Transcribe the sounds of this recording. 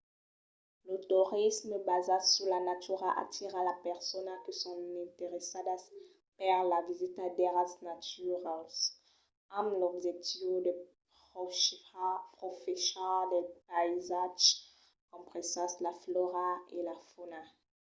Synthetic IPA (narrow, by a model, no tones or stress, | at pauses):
lot̪uʁisməbazasyʁlanatyʁaʔa̰t̪ʰiʁalapɛʁsɔnakəsɔ̃ɛ̃t̪eʁesad̪as | pɛʁlavizit̪ad̪ɛʁasnat̪yʁal | amlɔbʒɛk̚t̪ivdəpχʁɔʃpχɔfɛsɛʁd̪ɛpaizaʒ | kɔ̃mpχesɑ̃slaflɔʁaelafona